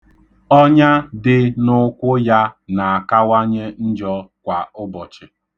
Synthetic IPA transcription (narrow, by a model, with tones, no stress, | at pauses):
ɔ˦ɲa˦dɪ˦nʊ˦kʷʊ˦ja˦na˨a˨ka˦wa˦ɲe˦n̩˦d͡ʒɔ˦kʷa˨ʊ˦bɔ˨t͡ʃɪ˨